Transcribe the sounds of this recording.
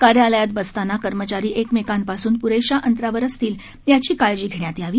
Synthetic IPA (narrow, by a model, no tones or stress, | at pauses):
kaɽealjat̪bəst̪anakəɾmət͡ɕaɾiːʔekmekanpasuːnpuɾeɕaʔənt̪ɾaʋəɾəst̪iːl | jat͡ɕiːkaɭd͡ʑiːɡʱeɳjat̪iːaʋiː